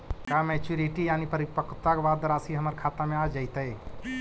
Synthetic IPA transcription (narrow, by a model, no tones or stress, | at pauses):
kamɛt͡ʃuɾiʈijanipəɾipəkʰt̪akʋad̪ɾasiɦəməɾkʰat̪amẽad͡ʒaɪt̪əj